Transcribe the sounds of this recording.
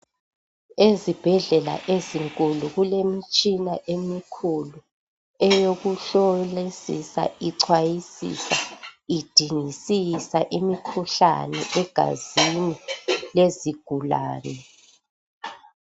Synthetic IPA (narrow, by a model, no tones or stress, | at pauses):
ezib̥ʱɛɮɛla̰ʔeziŋkʼuluɣulemit͡ʃʼinaʔemikʰulu | ɛjoɣuɬɔlesḭsa̰iǀʰwajisḭsa̰id̥ʱiŋisisaʔimikʰuɬa̰nɛ̰ʔɛɡ̥ʱa̰zinileziɡ̥ʱula̰ːnɛ